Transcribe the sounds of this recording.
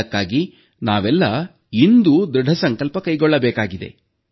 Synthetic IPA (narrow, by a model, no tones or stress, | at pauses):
kːaːɡi | naːʋɛlːɐ | ind̪ud̪ɾuɖʱɐsɐŋkɐlpɐkɐjɡɔɭːɐbɛːkaːɡid̪e̞̰